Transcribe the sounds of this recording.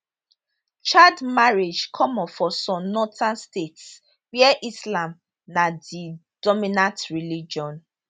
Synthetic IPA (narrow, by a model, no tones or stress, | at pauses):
t͡ʃadmaɹed͡ʒkʰɔmɔfɔsɔ̃nɔtãnstets | wiɛʔislãm | nadi | d̥ɔminãtɹilid͡ʒɔ̃n